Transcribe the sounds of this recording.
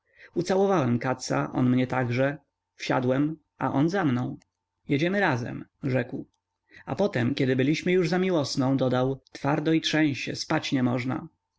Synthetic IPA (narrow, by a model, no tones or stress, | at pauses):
ut̪sawɔvawɛmkat̪sa̰ʔɔ̰nmɲɛt̪aɡʐɛ | fɕa̰d̪wɛm | ʔaʔɔnzamnɔ̃w̃ | jɛd͡ʑɛmɘɾazɛ̰mʐɛkw | apɔt̪ɛmkʲɛd̪ɘbɘlʲiɕmɘjuʐzamʲiwɔsnɔ̃w̃d̪ɔd̪awt̪faɾd̪ɔitʂɛ̃w̃ɕt͡ɕɛ̰spat͡ɕɲɛmɔʐna̰